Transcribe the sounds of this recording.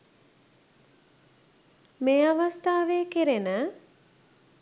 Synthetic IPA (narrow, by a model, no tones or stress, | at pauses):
meːaʋast̪aːʋeːkiɾenə